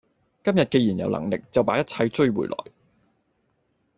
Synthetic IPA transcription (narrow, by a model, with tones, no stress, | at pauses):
kɐ˥mjɐ˨t̚ke˧ji˨˩njɐ̰˨wlɐ̰˨˩ŋlɪ˨k̚t͡sɐ˨wpaː˨˥jɐ˥t̚t͡sʰɐ˧jt͡ʃɵ˥˧ɥwṵː˨˩jlʔɔ̰ː˨˩j